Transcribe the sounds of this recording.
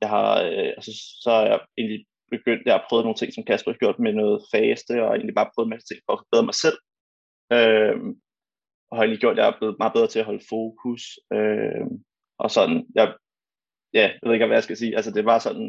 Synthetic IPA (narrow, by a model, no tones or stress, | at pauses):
jɑ̈ɪhɑ̈æsəsɒ̽hɑjɑ̈ɪe̝ːnli | b̥e̝ɡ̥øn̰d̥jɑɑpʰʁœːð̩ˠno̝ːn̩t͡sʰe̝ŋ̰sɒ̽mkʰæsb̥ʁiɡ̥jo̝ɐ̰d̥menɔːð̞̩ˠfɛːsd̥əɒ̽e̝̰ːnlib̥ɑ̈ːpʰʁœːð̩mæst͡sʰe̝ŋ̰fɒ̽ːfɒb̥eðˠɐmɑ̈ɪsel̰ | øm | ʔɒ̽hɑ̈e̝ːnliɡ̥jo̝ɐ̰d̥jɑ̈hɑ̈b̥le̝ːð̩ˠmɑ̈ːbeðˠɐt͡sʰe̝æɦɒ̽lfo̝ːkʰusøm | ʔɒ̽sɒ̽nnjɑ̈ | jæjʋeðˠeɡ̥ɒʋæjäsɡ̥æsiːʔæls̬əd̥e̝ʋɑ̈sɒ̽nn